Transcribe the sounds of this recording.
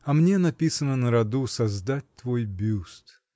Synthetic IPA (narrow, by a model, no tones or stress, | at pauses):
ɐmnʲenɐpʲisənənəɾɐd̪usɐzd̪at̚ʲt̪vo̞jbʲust̪